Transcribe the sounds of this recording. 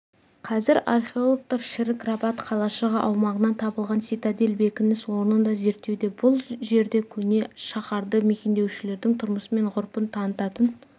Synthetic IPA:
qʰɑzɪɾarχeolˠok̚t̪ɑɾʃɪɾɪkrabɑt̪qʰɑlˠɑʃəʁəʔɑwmɑʁənɑnt̪ʰɑbəlˠʁɑnsit̪ad̪elbe̞kʲɪnɪswo̞ɾnənd̪ɑze̞ɾt̪ːe̞wd̪e̞bʊlˠʒe̞ɾd̪e̞kʲʰɵne̞ʃɑχɑɾd̪əme̞kʲe̞nd̪e̞wʃɪle̞ɾd̪ɪŋt̪ʰʊɾməsəme̞ɴʁʊɾpənt̪ʰɑnət̪ɑt̪ən

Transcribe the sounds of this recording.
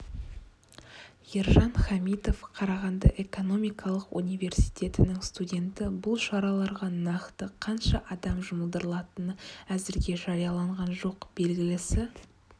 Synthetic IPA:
iɾʒɑnχɑmid̪o̞fqʰɑɾɑʁɑnd̪ɑ̰ʔe̞ko̞no̞mijkʰɑlˠəqṵnʲijve̞ɾsijt̪ʲʰe̞t̪ɪnɪŋst̪udʲe̞nt̪ɪbʊlˠʃɑɾɑlˠɑɾʁɑnɑqt̪əqʰɑnʃɑʔɑd̪ɑmʒʊməlˠd̪əɾəlˠɑt̪ənəæzɪɾɡʲe̞ʒɑɾijɑlˠɑɴʁɑnʒo̞qb̥e̞lɡʲɪlɪsɪ

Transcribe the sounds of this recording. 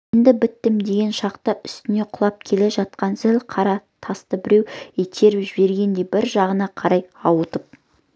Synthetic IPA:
end̪ɪbɪt̪ːɪmd̪e̞ɡʲe̞nʃɑqt̪əʔʏst̪ɪne̞qʰʊlˠɑp̚kʲʰe̞le̞ʒɑt̪̚qɑnzɪlqʰɑɾɑt̪ʰɑst̪əbɪɾe̞wet̪ʰe̞ɾɪpʒɪbe̞ɾɡʲe̞nd̪e̞bɪɾʒɑʁənɑqʰɑɾɑjɑwət̪əp̚

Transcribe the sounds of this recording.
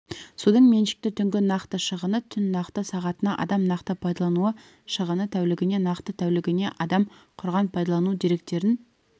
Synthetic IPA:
sud̪əɴme̞nʃɪ̥k̚t̪ɪt̪ʰʏŋɡʲɪnɑqt̪əʃəʁənət̪ʰʏnːɑqt̪əsɑʁɑt̪ənɑʔɑ̰d̪ɑmnɑqt̪əpʰɑjd̪ɑlˠɑnuə | ʃəʁənət̪ʰæwlɪɡʲɪne̞nɑqt̪ət̪ʰæwlɪɡʲɪne̞ʔɑd̪ɑmqʰʊɾʁɑnpʰɑjd̪ɑlˠɑnud̪e̞ɾe̞kt̪e̞ɾɪn

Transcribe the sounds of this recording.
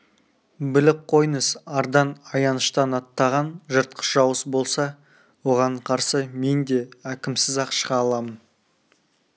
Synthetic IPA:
bɪlɪp̚qʰo̞jnəsɑɾd̪ɑnɑjɑnəʃt̪ɑnɑt̪ːɑʁɑnʒəɾt̪̚qʰə̥sʒ̥ɑwəsbo̞lˠsɑ | wo̞ʁɑɴqʰɑɾsəme̞nd̪e̞ækʲɪmsɪzɑqʃʁɑːlˠɑmən

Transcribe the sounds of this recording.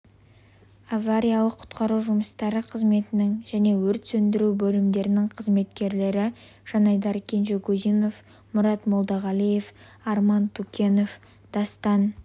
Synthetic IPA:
avːaɾʲijalˠəqʰʊ̥t̪qɑɾuwʒʊməst̪ɑɾəqʰəzme̞t̪ɪnɪŋʒæne̞wɵɾt̪sɵnd̪ɪɾubɵlɪmd̪e̞ɾɪnɪŋqʰəzme̞t̪̚kʲe̞ɾle̞ɾɪ | ʒ̥ɑnɑjd̪ɑɾkʲʰe̞nʒekɵzino̞f | mʊɾɑt̪mo̞lˠd̪ɑʁɑlˠijef | ɑɾmɑnt̪ʰukʲe̞no̞f | d̪̥ɑst̪ɑn

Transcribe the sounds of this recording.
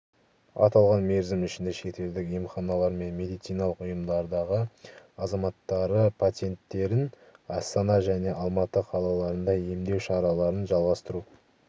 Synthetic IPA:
ɑ̰t̪ɑlˠʁɑnme̞ɾzɪmʏʃɪnd̪eʃe̞t̪e̞ld̪ɪkjemχɑnɑlˠɑɾme̞nme̞d̪ijt̪sijnɑlˠəqʊjəmd̪ɑɾd̪ɑʁəɑzɑmɑt̪ːɑɾəpʰat̪e̞nt̪ːe̞ɾɪn | ɑst̪ɑnɑʒæne̞ʔɑlˠmɑt̪əqʰɑlˠɑlˠɑɾənd̪ɑje̞md̪e̞wʃɑɾɑlˠɑɾənʒɑlˠʁɑst̪əɾu

